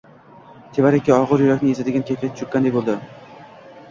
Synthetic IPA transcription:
t̪ʰebaɾekʲʰːiɒʁɨɾjʊɾakʲnɪezad̪ɪɡʲankʲʰekʲʰaʊt͡ʃʰʊkʲːand̪ek̚ʲbolˠd̪ɪ

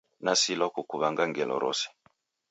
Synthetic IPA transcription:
nasilakukuβaŋɡaŋɡɛlɔ̰ɾɔ̰sɛ̥

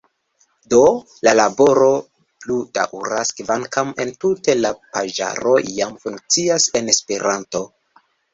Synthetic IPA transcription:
do̞ | lalabo̞ɾo̞ | pluda̰ʔuɾaskvaŋkame̞ntute̞lapaʒa̰ɾo̞ijamfuŋk̚t͡siase̞ne̞speɾanto̞

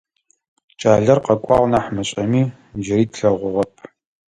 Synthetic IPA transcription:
t͡ʃʼaːɮɐrqɐkʷʼɑːʁʷnaħmɐɕʼɐmiː | ʒɪɾiːtʰɬɐʁʷʊʁɐpʰ

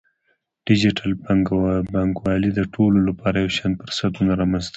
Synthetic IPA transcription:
ɖ̥ɪd͡ʒɪʈalbbɑŋkwɑlid̪əʈʰololapɑɾajawʃɑnd̪̚pəɾsat̪unaɾɑmanzt̪ə

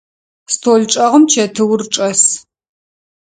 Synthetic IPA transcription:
stʰoːɮʈ͡ʂʼɐʁəmt͡ʃʰɐtʰɨwrʈ͡ʂʼɐs

